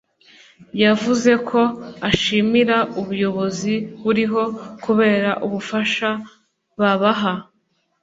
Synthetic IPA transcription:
javuze̞kʰo̞aʃimiɾaʔuβujo̞βo̞ziβuɾiɦo̞kuβe̞ːɾaʔuβufaʃa | βaβaɦa

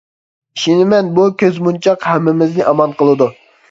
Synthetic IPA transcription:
ʃinɪmɛnbukʲʰøzmunt͡ʃʰɑqhɛmːɪmɪznɪʔɑmɑnqəlˠɨd̪u

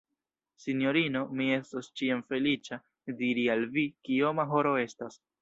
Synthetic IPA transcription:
sinjo̞ɾino̞mie̞stost͡ʃiamfe̞lit͡ʃa | diɾialvikio̞maɦo̞ɾo̞e̞stas

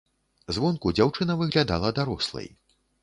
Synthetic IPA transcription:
zvɔnkud͡zʲawt͡ʂɨnɐvɨɣlʲad̪a̰lˠɐd̪aɾɔslˠɐ̰j

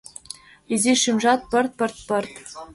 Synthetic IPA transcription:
iziʃimʐɑt̪̚pɤ̆rt̪̚pɤ̆rt̪̚pɤ̆rt̪

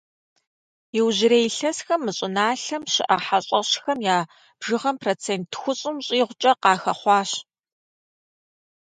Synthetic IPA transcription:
jɪwʑɪɾejɬɐsxɐmːɨɕʼɪnaːɬɐmʃɪ̰ʔɐħaɕʼɐɕxɐmjaː | b̥ʐɨʁɐmproːt͡sʰeːntʰxʷʊɕʼɪmɕʼiːʁʷʊt͡ʃʼɐqɑːxɐχʷɑːɕ

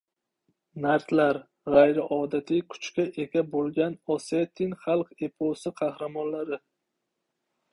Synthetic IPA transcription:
naɾt̪laɾ | ʁajɾɪʔɒːd̪at̪ʰɪjkʰʊ̥t͡ʃkʲaʔe̞kʲabolˠɡʲanɔset̪ʰːɪŋχɑlˠqe̞pʰosɪqʰɑhɾamɒnlaɾɪ

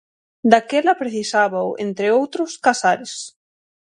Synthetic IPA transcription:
d̪akelɐpɾeθisaβaʊʔḛnt̪ɾɪowt̪ɾʊskasaɾɪs

